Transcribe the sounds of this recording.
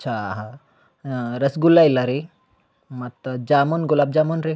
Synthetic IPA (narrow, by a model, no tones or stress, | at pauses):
ʃʰaɦa | ɾɐsɡulajlaɾi | mɐt̪d͡ʒaːmonɡulaːb̚d͡ʒaːmonɾi